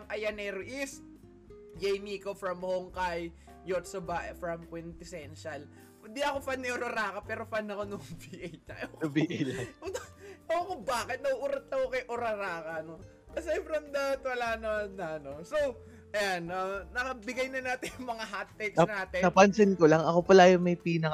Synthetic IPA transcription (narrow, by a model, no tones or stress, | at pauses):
ɐmʔɐjɐnɛɾʊʔis | d͡ʒejmiːkofɹɐmhoŋkaj | jot̪sɐbaʔfɾɐmkwɪnt̪ɪsɛnʃɐl | d̪iɐkofanːɐʔoɾɐɾaːkɐpɛːɾofanːɐkonʊŋviʔejnɐ̰okbiʔjlɐʊoɐkobaːkɪt̪̚nɐʔuɾɐt̪̚ːɐkokɐjʔoɾɐɾaːkɐno | ɐsɛmpɾɐmd̪aːt̪wɐlaːnɐmanːɐɐno̞sow | ʔɐjananɐkɐbɪɡɐjnɐnaːt̪ɛjʊŋmɐŋaɦat̪̚ːɛksanaːt̪ɛɐpɐnsɪnkolɐŋɐkopɐlajʊmɐjpiːnɐ